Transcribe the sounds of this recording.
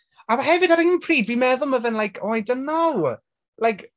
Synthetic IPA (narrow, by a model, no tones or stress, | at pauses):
amɦɛvɨdaɾhɪnpʰr̥iːdvimɛðʊlˠməvɛnlajkʰɔjdənːaw | lajkʰ